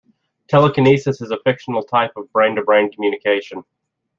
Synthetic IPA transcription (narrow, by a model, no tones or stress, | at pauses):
tʰɛlˠəkʰɨnisɨsɨzəfɪkʃn̩l̩ˠtʰaɪpʌvbɹẽɪ̃ndəbɹẽɪ̃nkʰmjʉnɨkʰeɪʃɨ̃n